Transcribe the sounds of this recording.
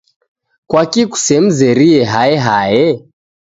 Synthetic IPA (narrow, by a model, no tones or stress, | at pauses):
kwakiku̥sɛm̩zɛɾiɛɦaɛɦajɛ